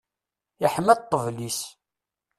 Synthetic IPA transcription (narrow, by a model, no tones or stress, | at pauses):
əħmæt̪ˤːəvlis